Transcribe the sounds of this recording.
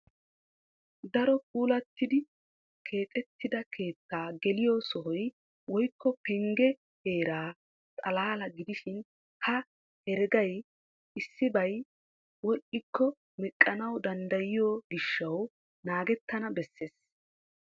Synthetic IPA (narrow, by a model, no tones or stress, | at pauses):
d̪ɐɾɔk̚uːlɐt̪ːɪd̪ɪ | kʰe̞ːkʼɛt̪ːɪd̪ɐkʰe̞ːt̪ːaːɡɛlɪjosɔhɔj | wɔjkːɔpɛŋɡɛ | he̞ːɾaː | t̪ʼɐlaːlɐɡɪd̪ɪʃɪn | hɐ | hɛɾɛɡɐj | ʔɪsːɪbɐj | wɔʔʼɪkʰːɔ | mɪkʼːɐnɐwd̪ɐnd̪ɐjɪjoːɡɪʃːɐw | naːɡɛt̪ːɐnɐbɛsːe̞ːs